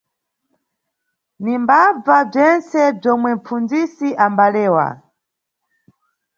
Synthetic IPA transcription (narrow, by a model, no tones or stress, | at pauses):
nimbab͡vab͡ʐɛnt͡sɛb͡ʐɔmwɛm̩fund͡zisiʔambalɛːwa̰